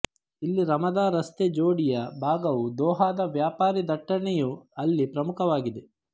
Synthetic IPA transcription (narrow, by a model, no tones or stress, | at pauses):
ilːiɾɐmɐd̪aːɾɐst̪ed͡ʒoːɽijɐbʱaːɡɐʋud̪ɔːɦaːd̪ɐʋjaːpaːɾid̪ɐʈːɐɳɛjuɐlːipɾɐmukʰɐʋaːɡid̪e